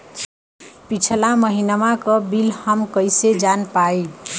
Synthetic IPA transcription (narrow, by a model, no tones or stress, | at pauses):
pit͡ʃʰəlaməɦinəmakəbilhəmkəjsed͡ʒanpai